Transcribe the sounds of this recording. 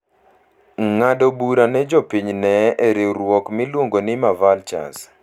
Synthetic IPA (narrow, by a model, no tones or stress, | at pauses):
ŋadobuɾanɛd͡ʒopiɲnɛʔɛɾiɾwɔkmɪlwoŋɡonɪmavalt͡ʃa̰s